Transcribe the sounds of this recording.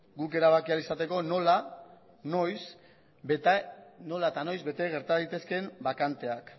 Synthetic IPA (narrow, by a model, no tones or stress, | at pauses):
ɡuke̞ɾaβ̞akialisat̪e̞ko̞no̞la | no̞js | no̞laet̪ano̞jzβe̞t̪e̞ɣ̞e̞ɾt̪aðajt̪e̞ske̞mbakant̪e̞ak